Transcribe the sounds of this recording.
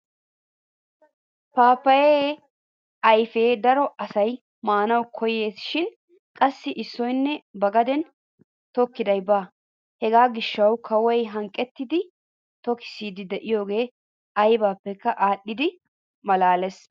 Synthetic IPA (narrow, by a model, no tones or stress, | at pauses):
paːpːɐjeː | ɐjfe̞ːd̪ɐɾɔɐsɐj | maːnɐwkʰɔjeːsʃɪn | kʼɐsːɪʔɪsːɔjnːɛbɐɡɐd̪ɛn | t̪ɔkːɪd̪ɐjbaː | hɛɡaːɡɪʃːɐwkʰɐwɔjɦɐŋkʼːɛt̪ːɪd̪ɪ | t̪ɔkɪ̥siːd̪ɪd̪ɛʔɪjo̞ːɡe̞ː | ɐjbaːpːɛkːɐʔaːɗːɪd̪ɪ | mɐlaːlɛs